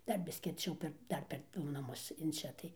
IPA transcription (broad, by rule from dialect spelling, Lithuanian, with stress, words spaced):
ˈdɐr ˈbʲɪsʲkʲɪ ɐrʲˈt͡ʃʲɛʊ pʲɛr ˈdɐr pʲɛr ˈdʊ nɐˈmʊs ɪn ˈt͡ʃʲɛ tɐɪ